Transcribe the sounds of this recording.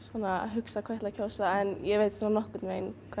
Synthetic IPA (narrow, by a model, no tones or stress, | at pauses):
sɔnaɦʏksakʰajt̪ʰɪlacʰowsaɛnjɛveːjt̪sɔːnanɔhkʏt̪nvejnkʰa